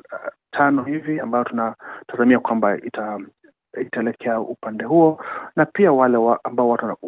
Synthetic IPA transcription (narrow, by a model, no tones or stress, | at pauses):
tʰanɔhiviambaɔtunataðamiakwambaita | itaɛlɛkʰɛaupandɛɦuɔnapiawalɛwaambaɔwatuwan